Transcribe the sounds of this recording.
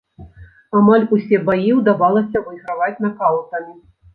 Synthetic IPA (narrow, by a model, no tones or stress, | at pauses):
amalʲusʲɛbajiwd̪avalˠɐsʲɐvɐjɣɾavat͡sʲnɐkalˠt̪ɐmʲi